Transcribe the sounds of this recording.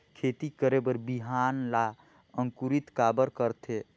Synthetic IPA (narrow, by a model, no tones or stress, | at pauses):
kʰet̪ikəɾebəɾbiɦanla | əŋkuɾit̪kabəɾkəɾt̪ʰe